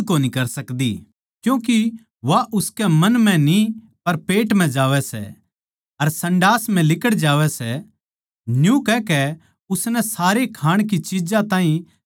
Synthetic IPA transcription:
koːnikɐɾsɐkd̪ḭ | kjũːki | ʋaʔʊskɛmɐnm̤ɛ̃ni | pɐɾpeːʈm̤ɛ̃d͡ʒaːʋɛsɛ̰ | ɐɾsɐ̃ɳɖaːsm̤ɛ̃lɪkəɽd͡ʒaːʋɛsɛ | njũkɛkɛ | ʊsnɛsaːɾekʰaːɽ̃k̬it͡ʃid͡ʒãt̪ãːɦĩ

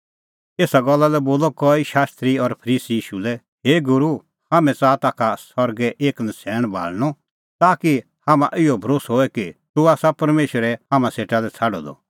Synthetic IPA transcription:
eːsaɡɔlːalɛboːlɔkɔːiʃaːst̪ɾiɔɾpʰɐɾiːsijiːʃulɛ | ɦeːɡʊɾu | haːmɛ̃t͡saːt̪aːkʰasɔɾɡɛʔeːknɐsʰɛːɽ̃bʱa̰ːlñɔ | t̪aːki | hamã̰ʔɪɔbʱɾoːsɦoːɛkit̪uaːsapɐɾmeːʃəɾɛɦaːmãseːʈalɛt͡sʰaːɖɔ̰d̪ɔ̰

